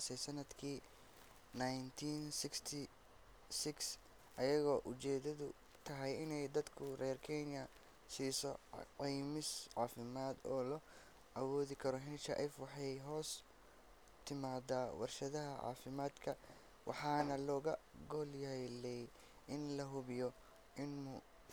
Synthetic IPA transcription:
sɛsɐnɐd̪kʰiː | najnt̪ʰiːnsɪkst̪ʰɪ | sɪks | ʔɐjɐɣɔːʔʊt͡ʃɛːðɐðʊ | t̪ʰɐɦɛjɪnɛjd̪ɐd̪kʰʊrɛːrkʰɛnjɐ | siːsɔqijmɪsʕɑːfɪmaːd̪ɔːlɔ | ʔɐwɔːðɪkʰɐɾɔɦɪnt͡ʃɐ̰ʔɛfwɑħɑjɦɔːs | t̪ʰɪmaːd̪aːwʔɑ̰rʃɐðɐɦɐʕɑ̰ːfɪmaːd̪kʰɐ | wɑ̰ħɑːnɐlɔːɣɐɡɔːljɐɦɛjlɛj | ʔɪnlɐɦʊβɪjɔ | ʔɪnmʊ

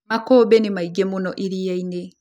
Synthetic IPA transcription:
makobenimaiɡemunɔʔiɾijaine

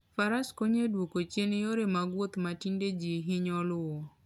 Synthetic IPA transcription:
faɾaskoɲedwokot͡ʃjenjoɾemaɡwot̪matinded͡ʒiɦɪɲɔlʊɔ

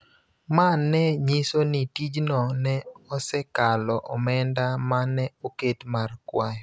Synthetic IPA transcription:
manːɛɲisonitid͡ʒnɔnɛɔsɛkalɔʔɔmɛndamanɛoketmarkwaj

